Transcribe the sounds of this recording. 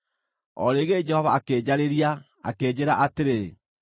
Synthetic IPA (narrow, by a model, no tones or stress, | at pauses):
ɔ̰ɾeɣed͡ʒɛhɔvaːkeːd͡ʑaɾeɾia | a̰keːd͡ʑeɾaʔateɾe